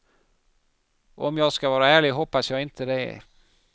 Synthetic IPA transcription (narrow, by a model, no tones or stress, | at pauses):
ɔmjɑːɡskavɑːɾaæːɭɪɡɦɔpːasjɑːɡɪnt̪ʰəd̪ɛ̰